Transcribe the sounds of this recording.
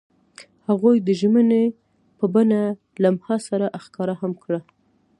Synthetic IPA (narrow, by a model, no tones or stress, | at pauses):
haɣujd̪əʒməne | pəbana | lamhɑsaɾaʔaxkɑɾahamkɽa